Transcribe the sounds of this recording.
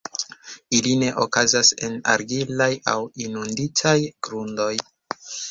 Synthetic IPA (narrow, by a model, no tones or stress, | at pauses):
iline̞ʔokazase̞na̰ɾɡilaja̰winunditʰajɡ̥ɾundo̞j